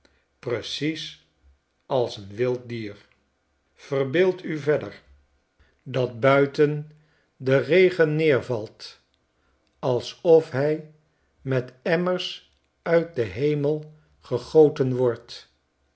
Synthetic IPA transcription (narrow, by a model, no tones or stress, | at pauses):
prəsis | ɑlˠsənʋɪlˠt̚diːɹ | v̥ərbɪːlˠtyvɛdəɹ | dɑt̚bœɥtən | dərejχənːɪːɹvɑlˠt | ɑlˠsɔfɦɛj | mɛtɛməɹs | œɥt̚dəɦejməlˠ | χəχowtənʋɔɹt